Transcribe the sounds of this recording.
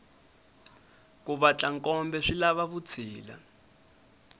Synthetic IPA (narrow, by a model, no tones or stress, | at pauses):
kuβat͡ɬaŋkʼɔmbɛʂilaβaβut͡sʰiːla̰